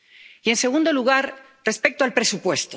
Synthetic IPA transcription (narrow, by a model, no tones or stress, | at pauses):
ie̞nse̞ɣ̞und̪o̞luɣ̞aɾ | re̞spe̞k̚t̪oalpɾe̞supwe̞st̪o